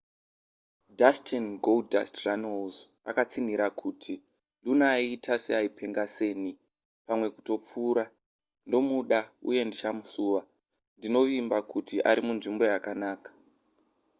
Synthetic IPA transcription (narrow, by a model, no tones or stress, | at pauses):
dastʰenɡolda̰stranolz | a̰kat͡sin̤iɾakʰutʰi | lunaitʰaseaipʰe̞ŋɡase̞ːni | pamwe̞ku̥to̞p͡fuːɾa | ndo̞muɗaṵje̞ndit͡ʃamusuːʋa | ndino̞ʋimbakutiʔa̰ɾimunʐimbo̞jakanaːkḁ